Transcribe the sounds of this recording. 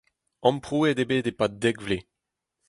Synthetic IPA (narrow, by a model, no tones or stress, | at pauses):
ɑ̃mpχuːed̪ebed̪epad̪ɛkvle